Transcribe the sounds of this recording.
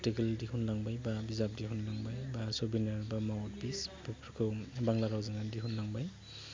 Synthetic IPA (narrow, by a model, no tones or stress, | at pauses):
tiɡeldihunlaŋbajbabizap̚diɦunlaŋbajbasɔbinaɾbamawt̚bisbpʰkʰɯwbaŋlaɾawzɯŋandiɦunlaŋbaj